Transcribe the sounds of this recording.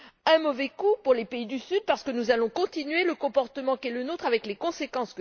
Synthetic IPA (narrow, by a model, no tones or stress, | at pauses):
ɛ̃mɔvɛkupuʁlepeid̪ysyd̪̚paʁsə̥kənuzalɔ̃kɔ̃t̪inɥeləkɔ̃pɔʁt̪əmɑ̃kɛlənot̪χavɛklekɔ̃sekɑ̃sk